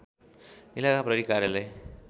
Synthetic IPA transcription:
ilakapɾʌɾikaɾjʌlaj

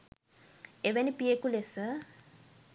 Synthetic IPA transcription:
eʋənipijekulesə

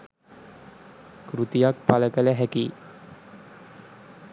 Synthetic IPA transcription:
kɾut̪ijak̚palɛkɛlɛɦɛki

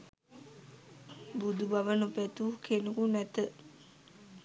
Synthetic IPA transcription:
bud̪ubaʋənupɛt̪ukʰenukunɛt̪ə

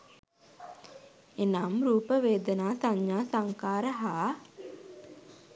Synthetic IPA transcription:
enamɾuːpəʋeːd̪ənaːsaɲːaːsaŋkaːɾəɦaː

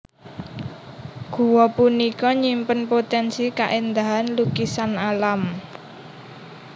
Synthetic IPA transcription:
ɡ̥ṳwɔpunikɔɲimpənpot̪ɛnsika̰ʔend̪aɦanlukisanalam

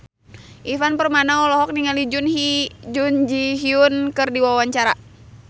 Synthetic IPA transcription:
ʔifanpərmanaɔlɔɦɔk̚niŋalid͡ʒunhid͡ʒund͡ʒiɦiunkɨrdiwawaɲt͡ʃaɾa

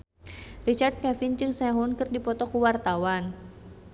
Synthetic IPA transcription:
rit͡ʃart̪̚kɛfint͡ʃɨŋsaɦunkɨrdipɔt̪ɔkuwart̪awan

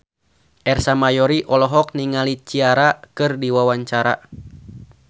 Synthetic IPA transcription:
ʔɛrsamajɔɾiʔɔlɔɦɔk̚niŋalit͡ʃiaɾakɨrdiwawaɲt͡ʃaɾa̰

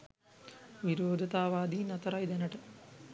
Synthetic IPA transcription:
ʋiɾoːd̪ʱɐt̪aːʋaːd̪iːnɐt̪ɐɾɐjd̪ɐnɐʈɨ

